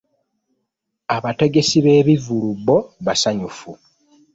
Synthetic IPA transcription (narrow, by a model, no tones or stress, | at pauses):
aβate̞ɡe̞siβe̞ːβivulubːo̞βasaɲufu